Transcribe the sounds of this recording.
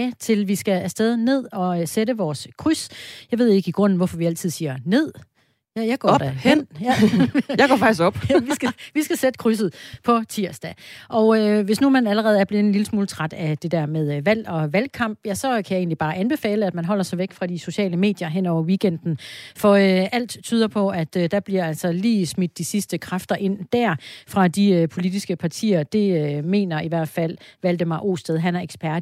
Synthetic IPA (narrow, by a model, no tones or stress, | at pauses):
t͡sʰe̝lʋisɡ̥ææsd̥eðˠne̝ð̞̰ˠɒ̽seɾəʋɒːskʰʁysjɑ̈ɪʋe̝ð̞̰ˠe̝ɡ̥əiɡ̥ʁɔ̽n̰n̩ʋɒfɒ̽ʋiæl̰t͡sʰið̞̰ˠsiːɐne̝ð̞̰ˠ | jæjɑɪɡ̥ɒ̰d̥æhen̰jæjɑɡ̥ɒ̰ːfɑ̈ɡ̥isɡ̥ɒ̽b̥æʋisɡ̥æʋisɡ̥æsed̥ə̥kʰʁys̬ð̩ˠpʰɒ̽t͡sʰiɐ̰sd̥æʔɒ̽ʊøʋe̝snumænæləʁɛːð̞̩ˠæɐb̥leð̩ˠenliləsmuːlət͡sʰʁad̥æd̥e̝d̥æɐ̰með̞ˠʋæl̰ɒ̽ʋælkʰɑ̈m̰b̥jæsɒ̽kʰæjäe̝ːnlib̥ɑ̈ːʔænb̥e̝fɛ̰ːləæd̥mænɦɒ̽l̰ɐsɑ̈ɪʋeɡ̥fʁɑ̈d̥iso̝ɕɛ̰ːləme̝̰ːd̥jɐɦen̰ɒʊ̰ɐʋiːɡ̥en̰d̥n̩fɒ̽øʔæl̰d̥t͡sʰyːð̞ˠɐpʰɒ̽æd̥d̥ɑ̈b̥liɐæl̰sɒ̽liːsmid̥ːisisd̥əkʰʁafd̥ɐʔe̝n̰d̥æɐ̰fʁɑ̈d̥iøpʰo̝lid̥isɡ̥əpʰɑ̈t͡sʰḭːɐd̥e̝øme̝̰ːnɐiʋæɐ̰d̥fæl̰ʋæld̥əmɑ̈ɪʔo̝̰ːsd̥eð̞ˠɦænæɐeɡ̥sb̥æɐd̥